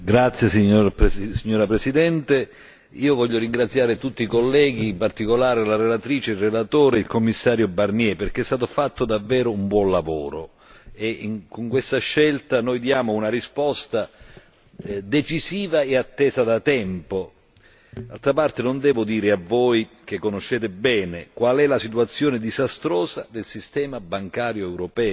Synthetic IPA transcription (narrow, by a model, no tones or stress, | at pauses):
ɡɾat̪sjesiɲːoɾpsiɲːoːɾapɾesid̪ɛnt̪e | iːovɔʎːoɾiŋɡɾat̪sːjaːɾet̪ut̪ːikolːɛːɡ̟iːmpart̪ikolaːɾelaɾelat̪ɾiːt͡ʃerelat̪oːɾeilkomːisːaːɾjobarniɛperk̟eɛst̪aːt̪ofat̪ːod̪avːɛːɾoumbwɔnlavo̰ːɾo | eŋkoŋkwest̪aʃːɛlt̪anojd̪jaːmounarispɔst̪a | d̪et͡ʃiziːvaeat̪ːɛːzad̪at̪ɛmpo | d̪alt̪ɾapart̪enond̪ɛːvod̪iːɾeavːoj | k̟ekːonoʃːeːt̪ebɛːnekwalɛlasit̪uat̪sːjoːned̪izast̪ɾoːzad̪elsist̪ɛːmabaŋkaːɾjoɛwɾopɛː